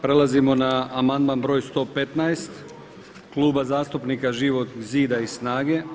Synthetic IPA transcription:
pɾe̞lˠazimo̞naːmand̪manbɾo̞ːjst̪o̞ːpe̞t̪naest̪ | kluːbazaːst̪upnikaʒiʋo̞t̪ziːd̪aisnaːɡe̞

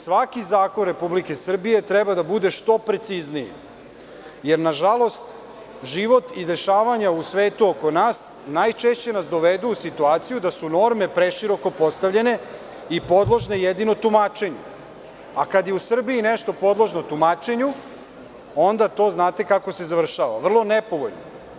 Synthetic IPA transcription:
sʋakizaːkonɾe̞publike̞sr̩bije̞t̪ɾɛbad̪abud̪e̞ʃt̪o̞pɾe̞t̪siznijḭ | je̞ɾnaʒalˠo̞st̪ | ʒiʋo̞t̪id̪e̞ʃaːʋaɲausʋeːt̪uoko̞naːs | najt͡ʃeʃt͡ɕe̞nasd̪o̞ʋed̪uusit̪uaːt̪sijud̪asuno̞ɾme̞pɾeʃiɾo̞ko̞po̞st̪aʋʎe̞ne̞ | ipo̞d̪lˠoʒnejed̪ino̞t̪umaːt͡ʃe̞ɲu | akad̪je̞usr̩biineʃt̪o̞po̞d̪lˠoʒnot̪umaːt͡ʃe̞ɲu | o̞nd̪at̪o̞ːznaːt̪e̞kakose̞zaʋr̩ʃaːʋa̰ʋr̩lˠo̞nepo̞ʋoʎno̰

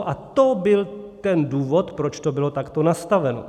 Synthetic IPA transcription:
ʔat̪obɪlt̪ɛnduːvo̞t̪pɾot͡ʃt̪o̞bɪlo̞t̪akt̪o̞nast̪avɛno̰

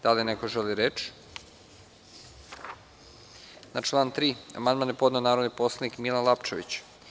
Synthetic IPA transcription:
d̪̥alinekoʒeliɾet͡ʃ | nat͡ʃlˠaːnt̪ɾiːa̰mand̪manjepo̞d̪neonaːɾod̪nipo̞slˠanikmilˠanlˠapt͡ʃeʋḭt͡ɕ

